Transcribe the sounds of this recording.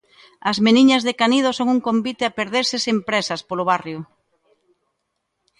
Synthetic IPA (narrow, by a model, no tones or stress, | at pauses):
ɐzmeniɲɐzðekanið̞osoŋuŋkombit̪eapeɾðeɾsesempɾesɐspoloβ̞arjʊ